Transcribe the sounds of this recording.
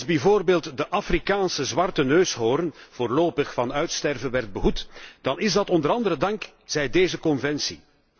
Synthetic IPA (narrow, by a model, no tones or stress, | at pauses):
zbɛvoːrbeːlˠtdəʔafrikaːnsəzʋɑrtənøːsɦoːɾənv̥oːrloːpəxfɑnœɥtstɛrvənʋɛrd̚bəɦutd̥ɑnɪzdɑtɔndəɾɑndəɾədɑŋk | z̥ɛjdeːzəkɔnvɛnsi